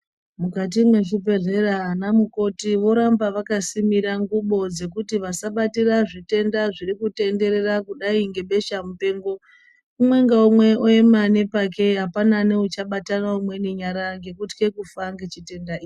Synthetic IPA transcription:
mukat̬imwe̞ʃupe̞re̞ranamuko̞tiʋo̞ɾambaʋakasimiɾaŋɡuɓo̞d͡ze̞kutiʋasaɓatiraʐite̞ndaʐirikute̞nde̞ɾe̞rakuɗaiŋɡe̞ɓe̞ʃamupe̞ːŋɡo̞ | umwe̞ŋɡaumwe̞oemane̞pak̬e̞ɦapanane̞ut͡ʃaɓatanaumwe̞niɲaɾaŋɡe̞kutkekufaŋɡe̞t͡ʃite̞ndaiːi

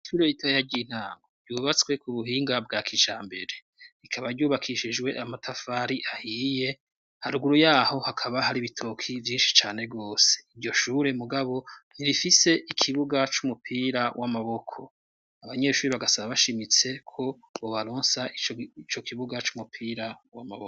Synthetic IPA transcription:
ʃuːɾeitʰajaɟin̥haːŋɡoɾɟuːβat͡swe̞kuβuhiːŋɡab̚ɡaːkʰit͡ʃaːmbe̞ɾe̞ | ikʰaβaɾɟuːβakʰiʃid͡ʒwe̞ʔamatʰafaːɾiʔahije̞ | haɾuɡuɾujaːho̞hakʰaβahaɾiβitʰokʰivjiːnʃi̥t͡ʃaːne̞ɡo̞ːse̥iɾɟo̞ʃuɾe̞muɡaβo̞niɾifise̞ʔikʰiβuɡat͡ʃumupʰiːɾawʔamaβo̞kʰo̞ | aβaɲe̞ʃuːɾiβaɡasaβaβaʃimit͡se̞kʰo̞ | βoβaɾoːnsaiit͡ʃo̞kiβuɡat͡ʃumupʰiːɾawamaβoko

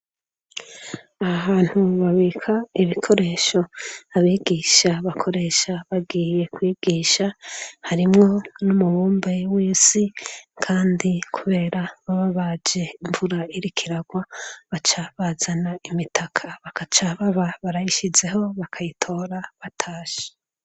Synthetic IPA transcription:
aaβaːn̥huβaβikʰaiβikʰo̞ɾe̞ːʃo̞aβiːɡiʃaβakʰo̞ɾe̞ːʃaβaɡiːje̞kwiːɡ̥iʃahaɾimŋo̞numuβuːmbewiːsikʰaːndikʰuβe̞ːɾaβaβaβad͡ʒe̞iɱvuɾaiɾikʰiɾaɡwaβat͡ʃaβazanaimitʰakʰaβakat͡ʃaβaβaβaɾajiʃize̞ɦo̞βakʰajitʰo̞ːɾaβatʰaːʃe̥

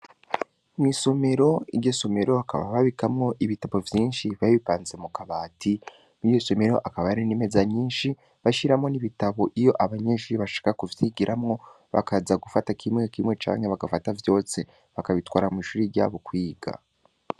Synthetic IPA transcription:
mŋwiso̞me̞ɾo̞iɾɟo̞so̞me̞ɾo̞aka̰βa̰βaβikamŋo̞ʔiβitaβo̞vjiːnʃiβaβipaːnzemukaβaːti | niɟo̞so̞me̞ɾo̞̰ʔakaβaaɾinime̞zaɲiːnʃi | βaʃiɾamŋo̞niβitaβo̞ʔijo̞ʔaβaɲeʃuɾiβaʃḁːkakuvjiɡiɾʔamŋo̞ | βa̰kazaɡufatakʰimŋe̞kimŋe̞t͡ʃa̰ːŋhe̞βaɡafatavjo̞ːse̞ | βakaβitwaːɾamiʃuːɾiɾɟa̰ːβo̞kwiːɡa̰

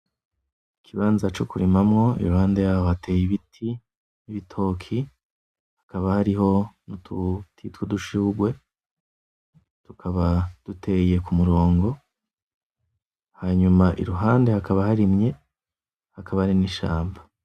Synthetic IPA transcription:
ikʰiβaːnzat͡ʃokuɾimamŋo̞ḭɾuhaːnde̞jaːhohate̞ːjiβitʰi | niβitʰo̞ːkʰi | hakaβahaɾiɦo̞nututʰitwuduʃiuɡwe̞ | tukʰaβad̥utʰe̞je̞kumuɾo̞ːŋɡo̞ | haːɲumaʔḭɾuɦaːnde̞hakaβahaɾimɲe̞ | hakaβahɾiniʃa̰ːmba

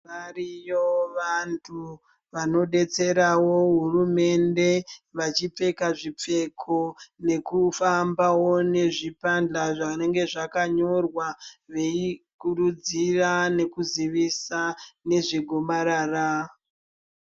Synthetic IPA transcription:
ʋarijoʋantʰu | ʋano̞ɗe̞t͡se̞ɾawo̞ɦurume̞nde̞ʋat͡ʃip͡fe̞kaʐip͡fe̞kʰo̞ne̞kufambawo̞ne̞ʐipand͡ɮaʐane̞ŋɡe̞ʐakaɲo̞rwaʋe̞ikuɾud͡zirane̞kuziʋisane̞ʐiɡʱomaɾaːra

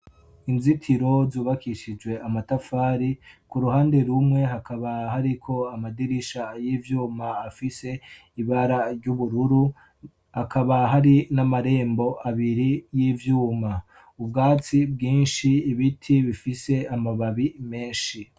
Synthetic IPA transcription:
inzitʰiɾo̞zuːβakiʃid͡ʒɡwe̞amatafaːɾikuɾuhaːnde̞ɾumŋe̞ɦakʰaβahaɾikʰo̞amadiɾiʃajiːvjuːmaːfise̞ | iβaɾaɾɟuβuɾuɾu | hakʰaβaɦaɾinamaɾe̞ːmbo̞ʔaβiɾijiːvjuːma | ubɡaːt͡sib̚ɡiːnʃiiβitʰiβifise̞amaβaβime̞ːnʃi

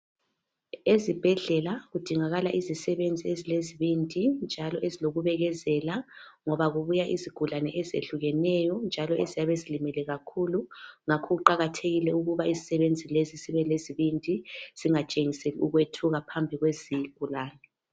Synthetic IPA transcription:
ezib̥ʱɛɮɛlaɣud̥ʱiŋaɣalaʔizisɛβend͡zʱiezileziβindʱʼind͡ʒʱalɔʔeziloɣuβɛɣɛzɛlaŋɔβaɣuβujaʔiziɡ̥ʱulanɛʔɛzḛɬuɣɛnɛjɔnd͡ʒʱalɔezijaβezilimɛlɛɣakʰuluŋakʰɔɣuǃaɣatʰeɣilɛuɣuβaizisɛβend͡zʱilezisiβɛleziβindʱʼiz̥iŋat͡ʃʼeŋiseliuɣwetʰuɣapʰambʱiɣweziɡ̥ʱulaːnɛ

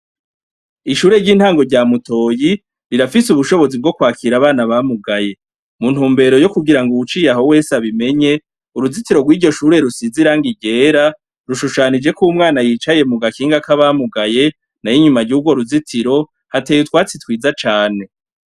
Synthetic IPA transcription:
iʃuːɾe̞ɾɟiːn̥haːŋɡo̞ɾɟaːmuto̞ːji | ɾiɾafisuβuʃo̞βo̞zib̚ɡo̞kwaːkiɾaβaːnaβamuɡaje̞ | mun̥huːmbe̞ɾo̞jo̞kuɡiɾaŋɡuut͡ʃiːjaɦo̞we̞ːsaβime̞ɲe̞ | uɾuzitiɾo̞ɡwiːɾɟo̞ʃuːɾe̞ɾusiziɾaŋɡiɟeːɾa | ɾuʃuʃaːnid͡ʒe̞kumŋaːnajiːt͡ʃaje̞muɡakiːŋɡakaβamuɡaje̞ | najiɲumaɾɟuːɡwo̞ɾuzitʰiɾo̞ | hate̞ːjutwaːt͡sitwiːzat͡ʃaːne̞

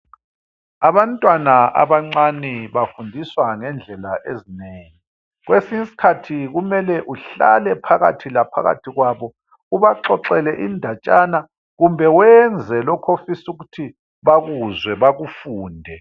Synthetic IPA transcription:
aβantʼwanaʔa̰βaŋ͡ǀanɛβafundʱiswaŋɛnd͡ɮʱɛlaʔezineːŋi | ɣwesiŋisi̥kʰatʰiɣumɛlɛʔuɬa̰lɛpʰaɣa̰tʰilapʰa̰ɣa̰tʰiɣwaβɔ | uβaǁɔǁɛlɛʔindʱat͡ʃʼana | ɣumbʱɛwɛnd͡zʱɛlɔkʰofisuɣutʰi | βaɣuzwɛβaɣufuːndʱɛ

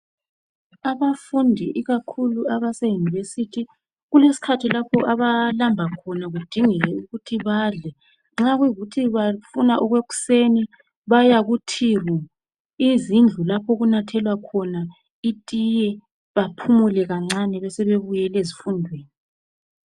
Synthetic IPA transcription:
aβafundʱiʔiɣakʰuluaβasejunivesitʰi | ɣulesi̥kʰatʰilapʰɔʔaβalambʱakʰɔnaɣud̥ʱiŋɛlɛuɣutʰiβaːɮɛ | ŋ͡ǁaɣwuiɣutʰiβafunaʔɔɣweɣu̥seni | βajaɣutʰiru | izind͡ɮʱulapʰɔɣunatʰɛlwakʰɔna | itʼijɛ | βapʰumulɛɣaŋ͡ǀanɛβɛsɛβeβujɛlezifundʱweːni

